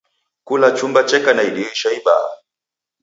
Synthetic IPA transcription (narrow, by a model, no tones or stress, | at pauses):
kulat͡ʃumbat͡ʃɛkanaiɗiiʃaiɓa̰a̰